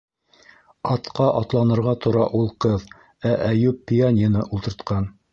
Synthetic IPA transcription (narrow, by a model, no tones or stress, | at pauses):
ɑt̪qɑʔɑt̪lˠɑnɤ̆ɾʁɑt̪ʰŏɾɑʔulˠqɤð | æʔæjʉpːianʲənɤʔulˠt̪ɤ̆ɾt̪qɑn